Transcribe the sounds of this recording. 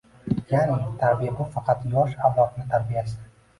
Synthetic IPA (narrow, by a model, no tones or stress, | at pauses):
janɪt̪ʰaɾbijabʊfɑqɑt̪jɒʃavlˠɒt̪nɪt̪ʰaɾbijaʃd̪ɪ